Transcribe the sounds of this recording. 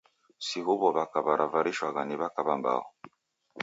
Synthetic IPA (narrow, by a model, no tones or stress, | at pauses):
siɦuβɔβakaβaɾʔavaɾiʃwaɣaniβakaβamba̰ɔ